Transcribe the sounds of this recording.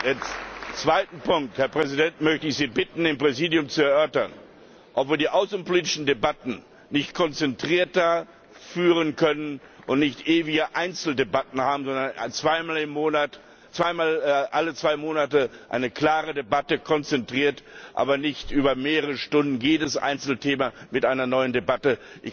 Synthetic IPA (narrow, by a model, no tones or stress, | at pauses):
d̥et͡sv̥aɪtn̩pʰʊŋk̚thɛɐpʁ̥ɛzidɛntmœçtəɪçz̥iːbɪtn̩ɪmpʁ̥ɛziːdjʊmt͡suɛɐʔœɐtɐn | ʔɔpv̥iːɐdiːʔaʊsn̩poliːt̬ɪʃn̩debatn̩ | nɪçtkʰɔnt͡sɛntʁ̥iːɐtɐ | fyːʁənkʰœnən | ʔʊntnɪçtʔeːvɪɡəʔaɪnt͡sl̩debatn̩haːbm̩zɔndɐnt͡sv̥aɪmaːlɪmːoːnat | t͡sv̥aɪmaːlʔalət͡sv̥aɪmoːnatəʔa̰ɪnəkl̥aːʁədebatəkʰɔnt͡sɛntʁ̥iːɐtʔa̰ːbɐnɪçtʔyːbɐmeːʁəʁʁəʃtʊndn̩jeːdəsʔa̰ɪnt͡sl̩tʰeːmamɪtʔaɪnɐnɔʏəndebatəʔɪ